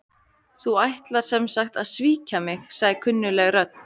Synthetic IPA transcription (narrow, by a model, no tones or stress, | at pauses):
θuajht̪laɾ̥sɛmsaxt̪aðsviːcamɪxsaɣðɪkʰʏnːʏlɛɣrœt̪̚n̥